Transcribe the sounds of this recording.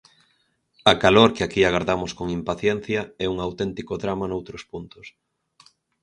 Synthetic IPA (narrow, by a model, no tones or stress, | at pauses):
ɐkaloɾkeakiaɣaɾðamʊskoŋimpaθjɛn̟θjɐɛuŋawt̪ɛnt̪ikoðɾamanowt̪ɾʊspunt̪ʊs